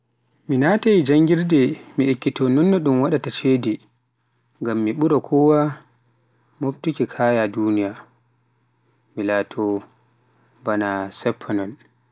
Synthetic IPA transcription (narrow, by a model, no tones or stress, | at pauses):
minatajid͡ʒaŋɡiɾdɛmiekːitɔnɔnːɔɗumwaɗatat͡ʃeːdi | ŋɡamːiɓuɾɔkʰɔwa | moptukikʰaːjadunija | milaːtʰɔ | banasɛpʰːanɔn